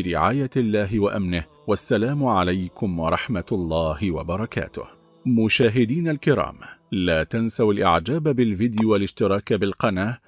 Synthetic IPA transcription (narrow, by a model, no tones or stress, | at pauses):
ɾɪʕaːjalːaːɦɪwaʔamnɪh | wasːalaːmʊʕalajkʊmwɑɾˤɑħmat̪lˤːɑːhɪwa̰bɑɾˤɑka̰ːt̪ʊ̰h | mʊʃaːɦɪd̪iːnalkɪɾˤɑ̰ːmlaːt̪ansawalʔɪ̰ʕd͡ʒaːbabɪlfɪd̪jʊwalɪʃt̪ɪɾˤɑːkabɪlqɑnaː